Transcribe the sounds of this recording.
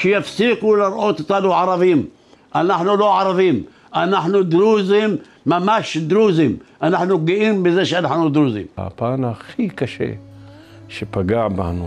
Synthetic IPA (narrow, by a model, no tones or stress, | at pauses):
ʃjafsiːkulɪɾˤʔoːt̪t̪ˤːɑluʕɑɾˤɑfiːm | ʔanaħnuloʕɑɾˤɑfiːm | ʔanaħnud̪ɾuːzimː | amaʃd̪ɾuːzimʔanaħnuɡɪʔiːmbɪzeːʃʔanaħnud̪ɾuzḭːma̰panaxikaʃḛ | ʃepaɡaʕba̰nu